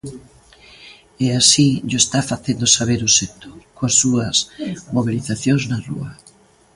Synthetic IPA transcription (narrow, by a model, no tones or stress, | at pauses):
ɛasiʎoest̪afaθend̪osaβeɾʊset̪o̥koasːuɐsmoβiliθaθjoŋznarṵɐ